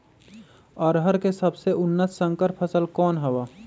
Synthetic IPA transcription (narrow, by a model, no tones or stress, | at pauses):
ɔːɾɦəɾkesɐbseʔʊnːəsːə̃ŋkəɾpʰəsəlkɔːnɦɐwaː